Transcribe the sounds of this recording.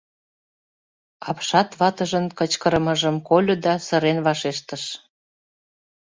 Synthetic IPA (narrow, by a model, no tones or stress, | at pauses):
ɑpʃɑt̪βɑt̪əʒənkət͡ɕkəɾəməʒəmkolʲod̪ɑsəɾenβɑʃeʃt̪əʃ